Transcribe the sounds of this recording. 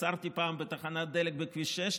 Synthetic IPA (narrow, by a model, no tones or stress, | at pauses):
aɾt̪ipaːmbet̪aχanad̪elek̚bekviʃeʃ